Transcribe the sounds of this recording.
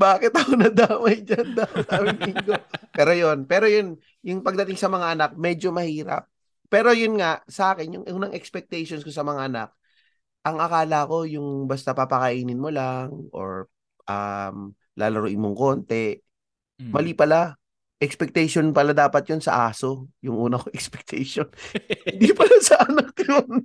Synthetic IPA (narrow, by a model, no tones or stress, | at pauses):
baːkɪt̪ɐxonɐd̪aːmɐjd͡ʒɐnd̪aːmɐt̪amɪnɪŋɡopɛːɾo̞jo̞npɛːɾo̞jon | jʊŋpɐɡ̚d̪ɐt̪ɪŋsɐmɐŋaʔɐnak̚mɛd͡ʒo̞mɐhiːɾɐ̰p̚ː | ɛːɾo̞jʊnŋaʔsɐʔaːkɛnjʊŋʔʊŋnɐŋʔɛkspɛk̚t̪ɛjʃonskosɐmɐŋaʔɐna̰k̚ | ʔɐŋʔɐkaːlɐɐko̞jʊŋbɐst̪apapɐkɐʔiːnɪnmolaŋʔo̞̰ɹ | ʔɐm | la̰ːlɐɾʊʔɪnmoŋko̞nt̪ɛ | mɐlipɐla | ʔɛkspɛk̚t̪ɛjʃonpɐlad̪aːpɐt̪̚jonsɐ̰ʔaːso̞jʊŋʔuːnɐkoʔɛkspɛk̚t̪ʰɛjʃonhnd̪ipɐlasɐʔɐnak̚jon